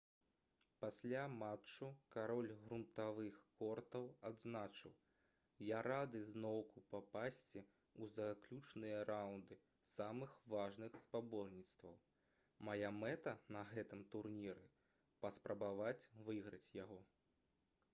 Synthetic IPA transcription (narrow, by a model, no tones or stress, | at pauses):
pasʲlʲamat͡ʂːukaɾɔlʲɣɾunt̪avɨxkɔrt̪ɐwad̪znat͡ʂɨw | jaɾad̪ɨznɔwkupapasʲt͡sʲi | uzaklʲut͡ʂnɨjɐɾawnd̪ɨ | samɨxvaʐnɨxspabɔrnʲit̪st̪vɐw | majamɛt̪ɐnɐɣɛt̪ɨmt̪urnʲiɾɨ | pɐspɾɐbavat͡sʲvɨɣɾɐt͡sʲjaɣɔ